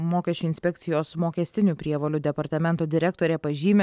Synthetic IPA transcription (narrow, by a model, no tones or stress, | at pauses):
moːkʲɛʃʲt͡ʃʲuːɪnsʲpʲɛk̚ʲt̪sʲɪjoːsmoːkʲɛsʲt̪ʲɪnʲupʲɾʲiɛʋoːlʲʊd̪ʲɛpɐɾt̪ɐmʲɛnt̪oːd̪ʲɪɾʲɛkt̪oːɾʲɛpɐʒʲiːmʲe